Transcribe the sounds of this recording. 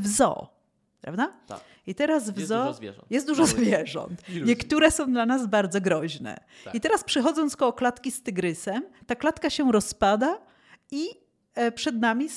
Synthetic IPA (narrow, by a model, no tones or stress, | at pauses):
vzɔ̰ | pɾa̰vd̪a | it̪ɛɾazvzɔjɛst̪̚d̪uʐɔzvʲjɛʐɔ̰̃nt̪ɲɛkt̪uɾɛsɔ̃w̃d̪lanazbaɾd̪zɔɡɾɔʑnɛ̰ | it̪ɛɾaspʂɛxɔd̪zɔ̃nt̪skɔwɔklat̪kʲist̪ɘɡɾɘsɛmt̪aklat̪kaɕɛɾɔspad̪a | i | pʂɛd̪namʲi